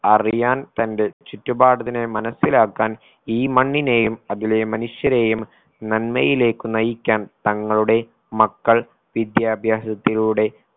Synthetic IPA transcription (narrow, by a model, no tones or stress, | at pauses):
ɐrijaːnt̪ɐnde̞t͡ɕitːubaːɽɐðinemɐnɐsilaːkːaːn | iːmɐɳːine̞ːjumɐðile̞mɐnuʂjɐɾe̞ːjum | nɐnmɐ̰jile̞ːkːɨnɐjikʲːaːnt̪ɐŋːɐɭuɽe̞ | mɐkːɐɭ | ʋid̪jaːbʱjaːsɐt̪ːiluɽe̞